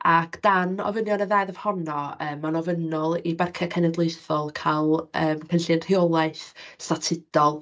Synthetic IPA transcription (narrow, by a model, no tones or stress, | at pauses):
akʰd̥anɔ̰vənjɔnəðaːjðəv̥hɔnɔəːmːanɔvənɔlˠibarkʰɛkʰɛnɛdlˠejθɔlˠkʰalˠəːmkʰəɬɪnr̥ɪɔlˠaɨθstatʰɪd̥ɔlˠ